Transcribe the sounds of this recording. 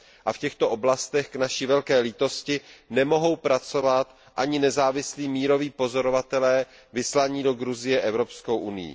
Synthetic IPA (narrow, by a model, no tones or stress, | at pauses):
ʔafcɛxt̪o̞ʔo̞blast̪ɛxknaʃivɛlkɛːliːt̪o̞scɪnɛmo̞ɦo̞wpɾat͡so̞vat̪ | ʔaɲɪnɛzaːvɪsliːmiːɾo̞viːpo̞zo̞ɾovat̪ɛlɛː | vɪslaɲiːdo̞ɡɾuzɪjɛʔɛvɾo̞pskowʔunɪjḭ